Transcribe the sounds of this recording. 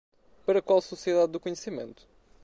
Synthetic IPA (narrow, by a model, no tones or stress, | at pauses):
pɐɾɐkwalˠsusieðaðːukuɲsimḛ̃nt̪u̥